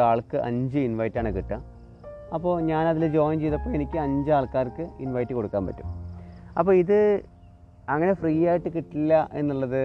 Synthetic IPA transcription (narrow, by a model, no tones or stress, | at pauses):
aːɭkɨʔɐ̰ɲd͡ʑɨinʋɐjtːaːɳɨkiʈːa | ɐpːo̞ːɲaːnɐðild͡ʑo̞ːjmt͡ɕejðɐpːoːe̞nikʲːɨɐɲd͡ʑɨaːɭkaːrkɨinʋɐjtːɨko̞ɽukːaːnpɐ̰tːu̥̰mɐpːoːiðɨ | ɐŋːɐne̞friːjaːjiʈːɨkiʈːilːɐʔe̞nːuɭːɐðɨ